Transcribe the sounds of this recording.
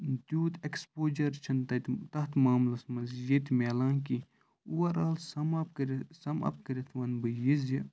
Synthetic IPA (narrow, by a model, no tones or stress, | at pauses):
d̪uːd̪ekspoːd͡ʒɐɾt͡ʃʰɐnt̪ɐt̪t̪ɐɦt̪ʰmaːmlɐsmɐzjɐt̪ʲmeːlãːnki | uwɐɾaːlsɐmɐpkɾsɐmɐ̰p̚kɐɾʲit̪ʰʋɐnbɨjizji